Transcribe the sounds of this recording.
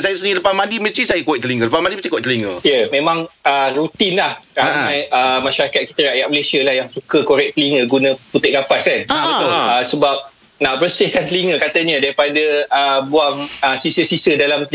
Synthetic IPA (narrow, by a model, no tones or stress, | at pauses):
sajasəniiləpamãdiməst̪ɾisajəkowɛʔ̚t̪əliŋə̃ləpamadipəst̪ikowɛʔ̚t̪əliŋəjəmẽmãŋəɾut̪ɪnlahɾanãjəmãʃaɾakat̪̚ki̥t̪əɾajaʔ̚məlesiəlahjaŋsukəkoɾɛk̚t̪əliŋəɡunə̃put̪ɪʔ̚kɡapaskanabət̪ʊəsəbap̚ | nabərsɪhkant̪əliŋə̃kat̪əɲə̃daɾipadəəbuaŋəsisəsisədalamt̪əl